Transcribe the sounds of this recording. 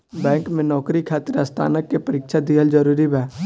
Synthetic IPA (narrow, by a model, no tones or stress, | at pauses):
bɛ̃ːŋkmẽnɔːkɾikʰaːt̪ɪɾəst̪ʰa̰ːnəkːepəɾɪkʃad̪iɦəld͡ʒəɾuːɾibɛː